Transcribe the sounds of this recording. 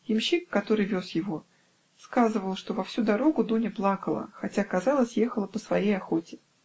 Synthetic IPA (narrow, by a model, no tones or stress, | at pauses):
jɪmɕikːɐt̪o̞ɾɨjvʲosjɪvo̞ | skazɨvəlˠʂt̪o̞vɐfsʲud̪ɐɾo̞ɡʊd̪unʲɪplˠɑkəlˠə̰xɐtʲakɐzɑlˠəsʲje̞xəlˠəpəsvɐjejɐxo̞tʲɪ